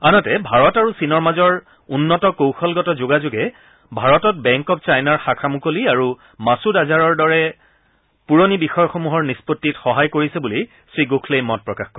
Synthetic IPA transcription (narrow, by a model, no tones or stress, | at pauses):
anɔtɛbʱaɹɔtaɹusinɔɹmazɔɹ | unːɔtɔkowxɔlɡɔtɔzoɡazʊɡɛ | bʱaɹɔtɔt̚bɛŋkɔpt͡ʃajnaɹxakʰamukoliaɹu | masudazaɹɔɹdɔɹɛ | puɹonibixɔjɔxomuɦɔɹnispotːitxɔɦajkoɹisɛbuli | sɹiɡokʰlejmɔt̚pɹɔkaxkɔɹ